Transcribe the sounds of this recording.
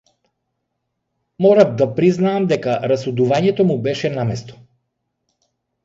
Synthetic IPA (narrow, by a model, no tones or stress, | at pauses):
mɔɾabd̪apɾiznaːmd̪ɛkaɾasud̪uvaɲɛt̪ɔmubɛʃɛnamɛst̪ɔ̥